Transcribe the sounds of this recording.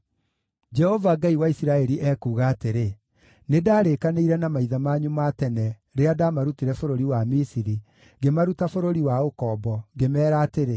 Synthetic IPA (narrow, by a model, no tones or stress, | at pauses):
d͡ʒɛhɔvaɡaiwaisiɾaɛɾiʔɛkuːɣaːteɾe | nedaːɾekaneiɾɛnamaiðamaːɲumatɛnɛ | ɾeadamaɾutiɾɛfoɾoɾiwamisiɾi | ɡemaɾutafoɾoɾiwaokɔːbɔɡemɛːɾaːteɾe